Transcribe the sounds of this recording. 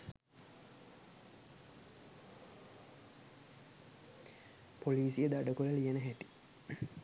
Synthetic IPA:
poliːsijed̪aɖəkuləlijenəɦæʈi̥

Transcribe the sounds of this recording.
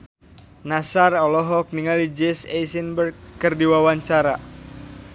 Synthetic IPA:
nasarɔlɔɦɔk̚niŋalid͡ʒɛsɛjsənbərkːərdiwawaɲt͡ʃaɾa

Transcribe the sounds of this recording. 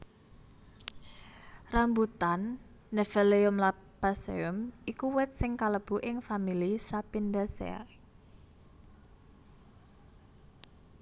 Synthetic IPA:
rambut̪anː | ɛfɛleʊmla | pasḛʊmikuwɛt̪̚sɪŋkaləb̥ṳʔɪŋfamilisapind̪asɛ̰

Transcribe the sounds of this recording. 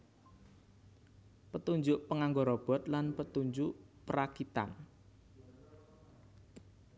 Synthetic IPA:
pət̪uɲd͡ʒʊʔpəŋaŋɡoɾɔb̥ɔ̤t̪̚lanpət̪uɲd͡ʒʊʔpəɾakit̪a̰n

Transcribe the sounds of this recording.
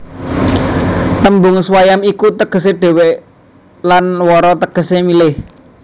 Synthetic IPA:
t̪əmbʊŋswajamikut̪əɡ̥ə̤seɖ̥e̤weʔ | lanwɔɾɔt̪əɡ̥ə̤semilɪh

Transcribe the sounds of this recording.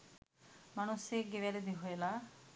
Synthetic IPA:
mañuseɡeʋjaled̪iɦojela

